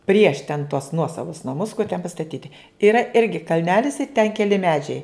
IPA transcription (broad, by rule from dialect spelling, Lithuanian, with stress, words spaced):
pʲrʲiɛʃ tʲɛn tuɔs ˈnuɔsɐʋʊs nɐˈmʊs kʊr tʲɛn pɐstɐˈtʲiːtʲɪ ɪˈrɐ ˈɪrʲɡʲɪ kɐlʲˈnʲæːlʲɪs ɪ tʲɛn kʲɛˈlʲɪ ˈmʲæːd͡ʒʲɛɪ